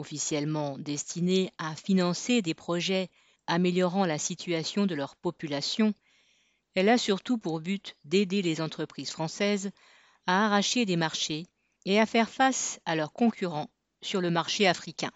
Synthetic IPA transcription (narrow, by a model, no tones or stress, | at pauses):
ɔfisjɛlmɑ̃d̪ɛst̪ʰineafinɑ̃sed̪epχɔʒɛ | ameljɔʁɑ̃lasit̪ʰyasjɔ̃d̪əlœʁpɔpylasjɔ̃ | ɛlasyʁt̪upuʁbyt̪d̪ed̪elezɑ̃t̪χəpχiz̥fχɑ̃sɛz | aːʁaʃed̪emaʁʃe | eafɛʁfasalœʁkɔ̃kʲyʁɑ̃ | syʁləmaʁʃeafχikʲɛ̃